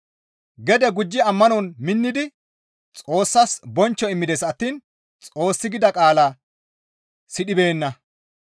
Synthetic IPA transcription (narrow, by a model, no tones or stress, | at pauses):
ɡɛd̪ɛɡʊd͡ʒːɪɐmːɐnɔnmɪnːɪd̪ɪ | t͡sʼo̞ːsːɐsbɔnt͡ʃːɔɪmːɪd̪ɛsɐt̪ːiːn | t͡sʼo̞ːsːɪɡɪd̪ɐkʼaːlaː | sɪɗɪbe̞ːnːɐ